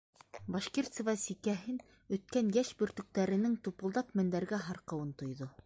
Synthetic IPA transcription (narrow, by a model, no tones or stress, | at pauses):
bɑʃkirt̪sɤvɑsikæɦɘn | ɵ̆t̪̚kænjæʃbɵ̆ɾt̪ɵ̆k̚t̪æɾɘ̆nɘŋt̪upŏlˠd̪ɑpmɘ̆nd̪æɾɡæɦɑɾqɤ̆wɤnt̪ŏjðo